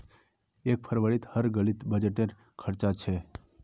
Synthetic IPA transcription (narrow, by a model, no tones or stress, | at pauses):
ek̚pʰəɾʋəɾit̪həɾɡəlit̪bəd͡ʒeʈeɾ | kʰəɾt͡ʃat͡ʃʰɛ